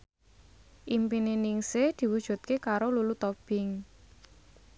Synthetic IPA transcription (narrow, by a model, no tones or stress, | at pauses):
ʔimpininiŋsed̪̥i̤wud̥ʒ̥ṳt̪̚kekaɾolulut̪ɔb̥ɪŋ